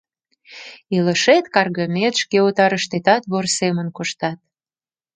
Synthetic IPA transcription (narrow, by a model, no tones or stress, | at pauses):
ilə̆ʃet̪kɑrɣəmet̪ʃkeut̪ɑɾəʃt̪et̪ɑt̪βorsemənkoʃt̪ɑt̪̚